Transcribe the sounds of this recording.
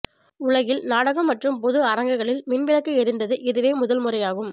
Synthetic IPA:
ʊɭɐɣɪlnaːɽɐɣɐmːɐʈrɯmpɔðɯɐɾɐŋɡɐɣɐɭɪlmɪnʋɪɭɐkːɐɛɾɪnd̪ɐðɯʔɛðɯʋeːmʊðɐlmɯrɐjaːɣɯm

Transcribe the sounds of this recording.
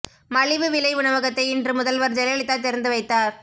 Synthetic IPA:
mɐɻɪʋɯʋɪlɐɪʊɳɐʋɐɣɐt̪ːɐɪɪndrɯmʊðɐlʋɐɾd͡ʒɛlɐjɐɭɪt̪ːaːt̪ɛɾɐnd̪ɯʋɐɪt̪ːaːɾ

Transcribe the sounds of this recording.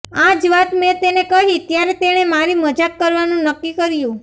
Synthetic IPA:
ad͡ʒʋat̪mẽt̪enekəɦit̪jaɾet̪eɽ̃emaɾiməd͡ʒakːəɾʋanũnəkːikəɾjũ

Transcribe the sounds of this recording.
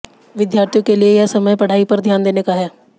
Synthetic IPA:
ʋɪd̪jaːɾt̪ʰjõkeliejasɐməjpɐɽ̤aːipɐɾd̪ʱjaːnd̪eːnekaɦɛː

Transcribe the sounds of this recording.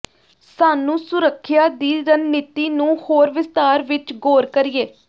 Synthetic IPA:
saːnũːsʊɾəkʰːjaːd̪iːɾənːiːt̪iːnũːhoːɾʋɪst̪aːɾʋɪt͡ʃɡoːɾkəɾɪiːeː

